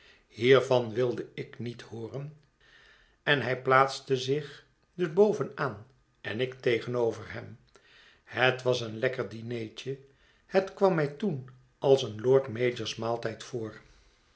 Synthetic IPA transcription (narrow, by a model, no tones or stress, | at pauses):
hiːɹvɑnʋɪlˠdəɪknithoːrən | ɛnɦɛjplaːtstəzɪχ | dɵbowvənaːn | ɛnɪktejχənowvərɦɛm | hətʋɑsənlɛkəɹdinejt͡ʃə | hətkʋɑmːɛjtun | ʔɑlˠsənloːɹtmeːd͡ʒəɹsmaːlˠtɛjtfoːɹ